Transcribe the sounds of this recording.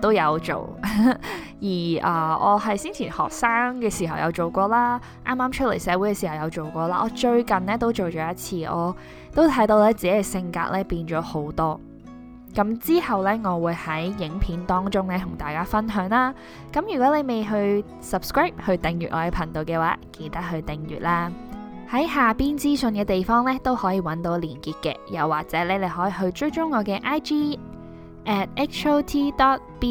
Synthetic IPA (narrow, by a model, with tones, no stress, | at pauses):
t̪o˥wjɐ˨˧wt͡ʃo̰˨˩w | jiː˨˩ʔɐː˨˩ɔ̰ː˨˧ɦɐ˨jsiː˥nt͡ʃʰiː˨˩nhɔ̰ː˨k̚saː˥ŋkɛː˧siː˨˩ɦɐ˨˩wjɐ̰˨˧wt͡ʃo˨˩wkʷɔː˧laː˥ | ʔa̰ː˥maː˥mt͡ʃʰə˥t̚le˨˩jsɛː˨˧wu˨˥jkɛː˧si˨˩hɐ˨wjɐ˨˧wt͡ʃo˨wkʷɔː˧laː˥ʔɔː˨˧t͡ʃɵ˧ɥkɐ˨nnɛː˥t̪o˥wt͡ʃo˨wt͡ʃɔː˨˦jɐ˥t̚t͡sʰiː˧ʔɔ̰ː˨˧ | t̪o˥wt̪ʰɐ˨˥jt̪o˧wlɛː˥t͡siː˨˧hɐ˨jsɪ˧ŋka̰ː˧k̚lʔɛː˥piː˧nt͡ʃɔː˨˥ho˨˥wt̪ɔː˥ | kɐ˨˥mt͡siː˥hɐ˨wlɛː˥ŋɔː˨˧wuː˨˧jhɐ˨˥jjɪ˨˥ŋpʰiː˨˥nt̪ɔː˥ŋt͡ʃʊ˥ŋlɛ˥t̪ʰʊ˨˩ŋt̪aː˨jkaː˥fɐ˥nɦœː˨˥ŋlaː˥ | kɐ˨˥mjyː˨˩kʷɔː˨˥le˨˧jme˨jɦɵ˧ɥ | sɐ˨p̚skɹaː˥˩p̚hɵ˧ɥt̪ɪ˨ŋjyː˨t̚ʔɔ̰ː˨˧jɛ˨˧pʰɐ˨˩ŋt̪o˨wkɛː˧waː˨˦ke˧jt̪ɐ˥k̚hɵ˧ɥt̪ɪ˨ŋjy̰ː˨t̚laː˥hɐ˨˥jhaː˨piː˥nt͡siː˥sɵ˧nkɛː˧t̪e˨jfɔː˥ŋlɛː˥t̪o˥whɔː˨˥jiː˨˧wɐ˨˥nt̪o˨˥wliː˨˩nkiː˨˧t̚kɛ̰ː˧jɐ̰˨˩wːaː˨k̚t͡sɛː˨˥lɛː˥le˨˧ɦɔː˨˥jiː˧ɦɵ˧ɥt͡ʃɵ˥ɥt͡ʃʊ˥ŋːɔː˨˧kɛː˧ʔaː˥jtiː˥ | ʔɛː˨˩t̚ɛ˥kt͡ʃo˥wt̪ʰiː˥t̪ɔː˨˥t̚piː˥